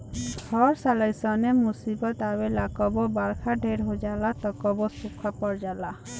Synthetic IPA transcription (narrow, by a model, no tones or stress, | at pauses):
ɡʱɔɾsalajsɔnemusibɔt̪abelakɔbɔbaɾkʰaɖʱeɾɦod͡ʒalat̪ɔkɔbɔsukʰːɔpɔɾd͡ʒala